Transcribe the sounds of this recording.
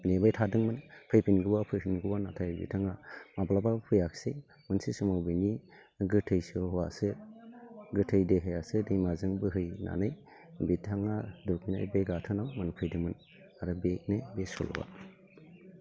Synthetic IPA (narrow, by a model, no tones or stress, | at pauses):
nebajtʰadɯŋmɯnpʰɯjpʰinɡɯwapʰɯjhinɡɯwanatʰajbḭtʰaŋamablabapʰɯjakʰse | mɯnsisɯmawbɯjni | ɡɯtʰɯjsɯɦɔwa̰sɯ | ɡɯtʰɯjdeɦɯjasɯdɯjmazɯŋbɯɦɯjna̰nɯj | bitʰaŋadukmina̰jbeɡatʰɯnawmɯnpʰɯjdɯŋmɯn | aɾɯbek̚nebesɔ̰l̰ba̰